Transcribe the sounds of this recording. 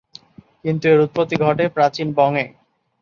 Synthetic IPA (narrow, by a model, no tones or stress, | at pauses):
kint̪ueɾut̪̚pot̪ːiɡʱɔʈepɾat͡ɕinbɔŋe